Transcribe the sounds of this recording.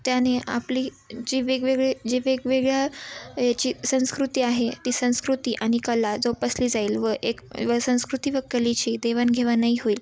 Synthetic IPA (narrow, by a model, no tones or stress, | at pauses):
t̪janea̰pliː | d͡ʑiʋeɡʋeɡɭed͡ʑeʋeɡʋeɡɭjajat͡ɕiːsə̃w̃skɾut̪iːaɦet̪iːsə̃w̃skɾut̪iːʔaɽ̃ikəlad͡zopəsliːd͡zaiːlʋəʔekʋəsə̃w̃skɾut̪iːʋəkːəlit͡ɕiːd̪eʋanɡʱeʋanːaiɦoiːl